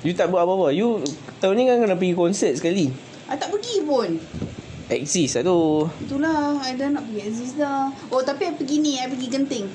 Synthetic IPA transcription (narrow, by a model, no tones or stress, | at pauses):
jut̪aʔ̚bəaʔbapajut̪aunikankənap̬əɡikɔnsət̪̚səkali | ʔajt̪aʔpəɡipʊn | ɛk̚sisat̪ut̪ulahajdonaʔ̚pəɡiɛkzislaot̪apiajpəɡiniajpəɡikənt̪ɪŋ